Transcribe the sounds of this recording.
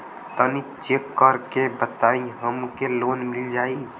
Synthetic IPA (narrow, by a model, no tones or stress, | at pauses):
t̪ənit͡ʃekːəɾkebət̪aiɦəmkelonmild͡ʒai